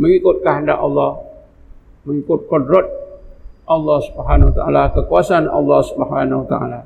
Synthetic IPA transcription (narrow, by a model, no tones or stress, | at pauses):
məŋikʊt̪̚kaɦənda̰ʔɑlːɑh | məŋikʊt̪̚kɔdɾɔt̪̚ʔɑlːɑhsubɦanwat̪aa̰lakəkuasanɑ̰lːɑhsubəɦanwat̪aʔa̰la